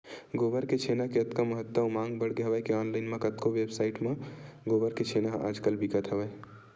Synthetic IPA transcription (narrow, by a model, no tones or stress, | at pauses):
ɡobəɾket͡ʃʰenakeət̪kaməɦət̪wəmãŋɡbəɽ̤ɡeɦəʋəjkeɔnlaɪnmẽkət̪kowebsaɪʈmẽɡobəɾket͡ʃʰenaɦa̰ːd͡ʒkəlbikət̪ɦəbəj